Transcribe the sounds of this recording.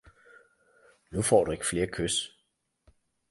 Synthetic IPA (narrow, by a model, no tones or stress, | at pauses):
nufɒ̰ːd̥ue̝ɡ̥ə̥fle̝ːɐkʰøs